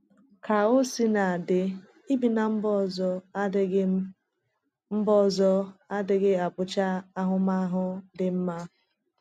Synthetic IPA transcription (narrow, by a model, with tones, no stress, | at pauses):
ka˨o˦si˦na˨dɪ˨ | i˦bi˨na˨m̩˦bɔ˦zɔ˦ | m̩˦bɔ˦˨zɔ˦a˦dɪ˨ɡɪ˦a˨bʊ˦t͡ʃa˦a˦ɦʊ˦ma˦ɦʊ˦dɪ˨m̩˦ma˦